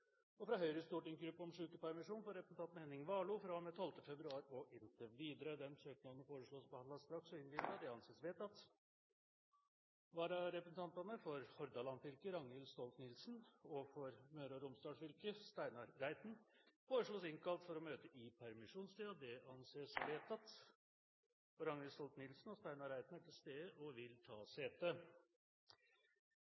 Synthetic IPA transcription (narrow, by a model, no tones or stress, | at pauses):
ɔfɾɑɦœʏɾəst̪uːʈɪŋɡɾʉpːɔmʂʉːkəpæɾmɪʂuːnfɔɾɛpɾəsn̩t̪ɑnt̪meːnɪŋʋɑːɭʊfɾɑmɛt̪ʰɔlt̪əfɛbɾʉɑːɾɔʔɪnt̪ʰəʋiːd̪əɾəd̪ɛmsøːknɑnəfoːɾəʂɭoːspɔhɑnlɑst̪ɾɑksɔɪnʋɪlt̪ɑd̪ɛɑnseːsʋeːt̪ɑt̪ | ʋɑːɾɑɾɛpɾəsn̩t̪ʰɑnt̪ɑnəfɔɾhɔɾd̪ɑlɑnfɪlkəɾɑŋəlst̪ɔlt̪nɪlsnɔfɔɾmøːɾɔɾʊmst̪ɑːʂfʏlkəst̪æɪnɑɾːæɪt̪n̩foːɾəʂɭoːsɪŋkɑlt̪fɔɾɔmøːt̪əʔɪpʰæɾmɪʂuːnst̪iːɑd̪ɛɑnseːsʋeːt̪ɑt̪ | ɔɾɑŋəlst̪ɔlt̪nɪlsnɔst̪æɪnɑɾæɪt̪næʈʰɪlst̪eːd̪əʔɔʋɪlt̪ʰɑ̰ːseːt̪ə